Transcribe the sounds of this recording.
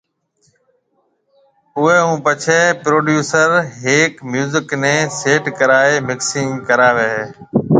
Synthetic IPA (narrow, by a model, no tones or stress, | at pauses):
ʊɦeːɦũːpət͡ʃʰeːpɾoːɖjuːsəɾɦeːkmjuːzɪknẽːseːʈkəɾaːeːmɪksiːmkəɾaːʋeːɦː